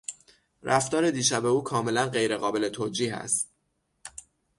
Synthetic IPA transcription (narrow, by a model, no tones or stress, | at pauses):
rʔæft̪ɒːɾe̞d̪iːʃæbeuːkʰɒːme̞lænɢe̞jɾe̞ɣɒːbe̞le̞t̪ʰoːd͡ʒiːɦæ̰st̪̚